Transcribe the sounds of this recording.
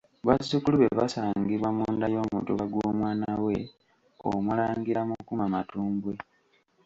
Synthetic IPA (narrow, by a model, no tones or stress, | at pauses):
βazukuluβe̞βasaːŋɡiβwamuːndajo̞ːmutuβaɡwoːmwaːnawe̞ | o̰mulaːŋɡiɾamukumamatuːmbwe